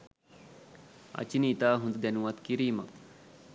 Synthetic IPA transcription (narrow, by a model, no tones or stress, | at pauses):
ɐ̰t͡ʃiniːt̪aːɦũnd̪d̪enuʋɐt̪kiɾiːma